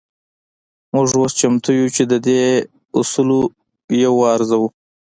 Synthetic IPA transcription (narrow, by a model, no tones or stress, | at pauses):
mʊʐwost͡ʃamt̪ujut͡ʃed̪əd̪e | usulo | jawɑɾzawu